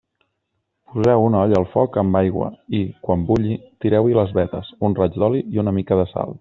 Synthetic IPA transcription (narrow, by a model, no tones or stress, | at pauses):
puzɛwunɔʎəːlˠfɔkəmbajɣwə̰ikwambuʎit̪iɾɛwiləzβɛt̪əsunrad͡ʒd̪ɔliiunəmikəðəsa̰lˠ